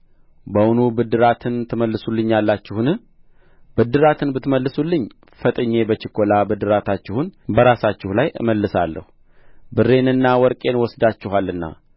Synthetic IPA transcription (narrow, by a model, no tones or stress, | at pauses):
bəwʊnubɨd̪ːɨɾat̪ʰɨnt̪ʰɨməlːɨsulːɨɲːalːat͡ʃːɪhunɨ | bɨd̪ːɨɾat̪ʰɨnbɨt̪məlːɨsulːɨɲː | fət̪ʼɨɲːe̞bət͡ʃɪkʰːo̞labɨd̪ɨɾat̪ʰat͡ʃːɪhunbəɾasat͡ʃːɪhulajʔɨ̰məlːɨsa̰lːə̰hu | bɨre̞nɨnːawɔɾkʼe̞nwɔsd̪at͡ʃːɪɦalːɨnːa̰